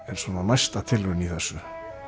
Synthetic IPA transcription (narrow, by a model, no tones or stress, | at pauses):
ɛɾ̥svɔːnanajst̪at̪ʰɪlvʏniθɛsːʏ